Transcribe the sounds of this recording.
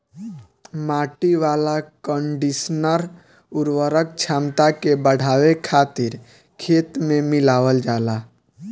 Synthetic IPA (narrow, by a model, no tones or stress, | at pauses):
maːʈiʋaːlakə̃ɳɖisnəɾ | ʊɾwəɾək̚t͡ʃʰaːmt̪akebəɽ̤aːʋekʰaːt̪ɪɾ | kʰeːt̪mẽmɪlaːʋəld͡ʒaːlaː